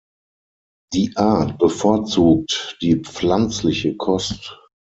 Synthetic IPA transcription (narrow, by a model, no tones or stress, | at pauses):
d̥iːʔaɐt̚b̥əfɔɐt͡suːk̚td̥iːp͡flant͡slɪçəkʰɔst